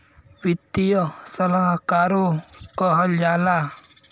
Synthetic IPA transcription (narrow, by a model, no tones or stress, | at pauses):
wɪt̪ːijɔsəlaɦkaːɾokɔɦəld͡ʒaːla